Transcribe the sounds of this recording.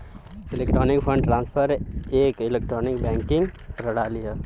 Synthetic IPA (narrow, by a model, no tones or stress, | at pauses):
ɪlek̚ʈɾoːnɪkpʰə̃ɳɖʈɾãːnspʰəɾeːkɪlek̚ʈɾoːnɪkbɛ̃ːŋkɪ̃ŋɡɾəɽaːlija